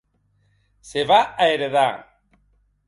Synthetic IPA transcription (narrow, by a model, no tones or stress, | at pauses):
seβaaeɾeðaŋ